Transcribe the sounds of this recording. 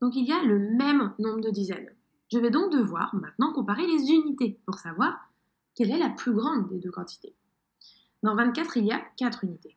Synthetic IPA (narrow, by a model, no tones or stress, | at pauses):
d̪̥ɔ̃k̬ilijaləmɛmnɔ̃bʁəd̪əd̪izɛ̰n | ʒəvɛd̪ɔ̃k̚d̪əvwa̰ʁmɛ̃t̪nɑ̃kɔ̃paʁelezynit̪epuʁsavwaʁ | kʲɛlɛlaplyɡʁɑ̃d̪ːed̪økɑ̃t̪i̥t̪e̥ | d̪ɑ̃vɛ̃t̪̚kʲat̪χilijakat̪χynit̪e